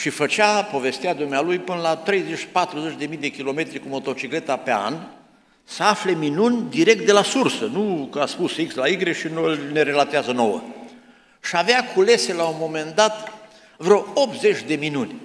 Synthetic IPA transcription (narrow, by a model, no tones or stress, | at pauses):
ʃifət͡ʃapo̞ve̞st̪iad̪umealujpɨnəlat̪ɾe̞jzet͡ʃːi̥pat̪ɾuzet͡ʃʲd̪e̞mijd̪e̞kʲilo̞me̞t̪ɾikumo̞t̪o̞t͡ʃikle̞t̪ape̞a̰n | səafle̞minunʲd̪iɾe̞k̚t̪̚d̪elasursənukəaspusikslaiɡɾeʃinolne̞ɾe̞lat̪eazəno̞wə̰ | ʃiaveakʰule̞se̞laumo̞me̞nd̪at̪ | vɾoop̪ze̞t͡ʃʲd̪e̞minunʲ